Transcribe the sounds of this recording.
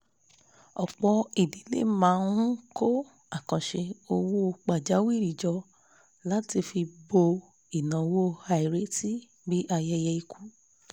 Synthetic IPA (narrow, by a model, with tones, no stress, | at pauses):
ɔ˨k͡pɔ˧i˨di˨˦lḛ˦˨mãː˨˦˧nũ˦ko˦ | a˨kɔ̃˨ʃe˧o˧wo˦˧k͡pa˨d͡ʒa˨˦wi˦˨ɾi˨d͡ʒɔ˧ | la˦ti˧fi˧bo˧ | i˨nã˨˧wo˦˨˧ha˧i˨ɾe˨˦ti˦ | bi˦ʔa˧jɛ˧jɛ˧i˧ku˦